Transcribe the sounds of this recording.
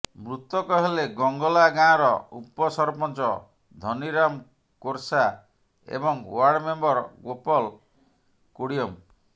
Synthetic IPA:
mɾut̪ɔkɔɦeleɡɔŋɡɔlaɡãɔɾɔupɔsɔɾpɔnt͡ʃɔ | d̪ʱɔniɾam | koɾsa | ḛbɔŋwaɾɖmembɔɾɡopɔl | kuɽijɔm

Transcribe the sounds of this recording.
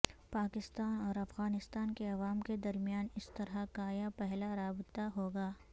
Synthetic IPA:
paːkɪst̪aːnɔːɾɐfɣaːnɪst̪aːnkeɐʋaːmked̪ɐɾmijaːnɪst̪ɐɾɦakaːjapɛɦlaɾaːbɪt̪aɦoːɡaː

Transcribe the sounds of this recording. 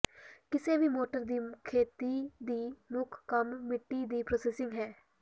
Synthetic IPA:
kɪseːʋiːmoːʈəɾd̪iːkʰeːt̪iːd̪iːmʊkʰkəmːɪʈːiːd̪iːpɾoːseːsɪ̃ŋɡɦɛː

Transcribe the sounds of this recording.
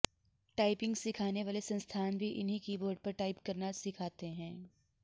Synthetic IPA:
ʈaːɪpɪ̃ŋɡsɪkʰaːneʋaːlesɐ̃nst̪ʰaːnbʱiʔɪnɦikiːboːɾɖ̚pɐɾʈaːɪpkɐɾnasɪkʰaːt̪eɦɛ̃ː

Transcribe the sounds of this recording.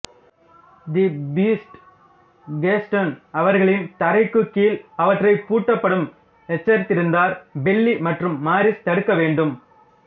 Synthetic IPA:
d̪ibiːsʈ | ɡeːsʈɐnɐʋɐɾɣɐɭɪnt̪ɐɾɐɪkːɯkːiːlɐʋɐʈrɐɪpuːʈːɐpːɐɽɯm | ɛt͡ʃːɐɾt̪ɪɾɯnd̪aːɾbɛlːimɐʈrɯmːaːɾɪst̪ɐɽɯkːɐʋeːɳɖɯm

